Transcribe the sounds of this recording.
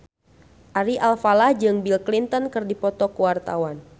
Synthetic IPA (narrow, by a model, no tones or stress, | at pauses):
ʔaɾiʔalfalahd͡ʒɨŋbilklint̪ɔnkɨrdipɔt̪ɔkuwart̪a̰wan